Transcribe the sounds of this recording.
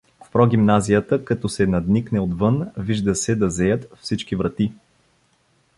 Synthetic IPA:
fpɾɔɡ̟ʲimnazijət̪əkɐt̪ɔsɛnɐd̪niknɛod̪vɤnviʒd̪əsɛd̪ɐzɛjət̪fsit͡ʃkivɾɐt̪i

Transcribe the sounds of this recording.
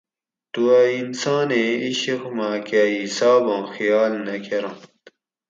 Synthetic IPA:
t̪uainsãːneiɕixmakaisaːbõːxijaːlnɐkʰeɾõːt̪

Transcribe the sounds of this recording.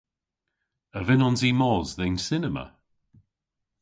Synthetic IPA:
əvɪnɔnzimɔzðejnsɪnɛmə̰

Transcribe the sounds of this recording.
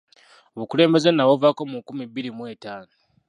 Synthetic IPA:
oβukule̞ːmbe̞zenawovako̞mukumiβːiɾimwe̞ːtaːno

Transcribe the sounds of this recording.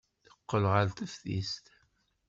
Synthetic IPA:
θəqːəlʁəlt̪əfθḭst̪

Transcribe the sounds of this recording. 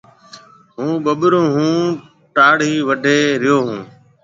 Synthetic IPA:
ɦũːɓəɓɾõːɦũː | ʈaːɽiːʋəɖʱeːɾɪjoːɦũː

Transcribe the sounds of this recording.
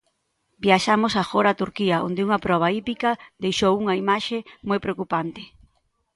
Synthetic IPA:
bjaʃamosafoɾat̪uɾkiɐʔo̰nd̪ɪuŋɐpɾɔβ̞ɐipikɐd̪ejʃowuŋɐimaʃemojpɾeokupant̪ɪ

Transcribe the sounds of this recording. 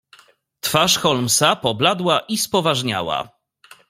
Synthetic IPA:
t̪faʂxɔlmsapɔblad̪waʔispɔvaʐɲa̰wa̰

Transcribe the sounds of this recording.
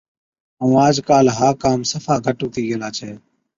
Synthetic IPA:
ɦũːaːd͡ʒkaːlɦaːkaːmsəfaːɡʱəʈuːt̪iːɡəlaːt͡ʃʰeː

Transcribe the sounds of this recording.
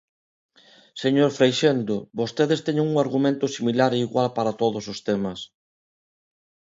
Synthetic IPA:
seɲoɾfɾejʃend̪ʊbost̪eðest̪ɛɲeŋuŋaɾɣumẽnt̪ʊsimilaɾeiɣwalpaɾat̪oðʊsost̪emɐs

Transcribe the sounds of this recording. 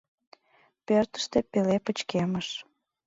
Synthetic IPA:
pørt̪ə̥ʃt̪epelepət͡ɕkeməʃ

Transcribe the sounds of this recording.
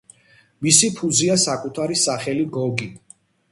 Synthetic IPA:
misipʰuziasakʼut̪ʰaɾisaχɛliɡɔɡi

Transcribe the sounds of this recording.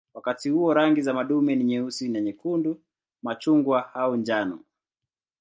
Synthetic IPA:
wakatihuɔɾaŋɡizamaɗumɛniɲɛusinɛɲɛkundu | mat͡ʃuŋɡwaaund͡ʒanɔ̰

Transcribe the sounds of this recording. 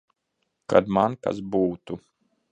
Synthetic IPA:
ka̰d̪manka̰sbuːt̪u

